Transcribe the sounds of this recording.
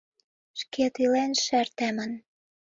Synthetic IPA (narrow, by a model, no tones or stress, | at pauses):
ʃket̪ilenʃært̪æmə̆n